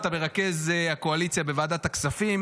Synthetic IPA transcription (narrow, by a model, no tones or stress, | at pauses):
t̪abeʁake̞zako̞alit͡sjabevaːd̪at̪aksafim